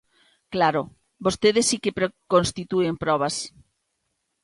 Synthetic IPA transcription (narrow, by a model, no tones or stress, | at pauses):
klaɾʊ | bost̪eðesːikepɾekonst̪it̪uempɾɔβ̞as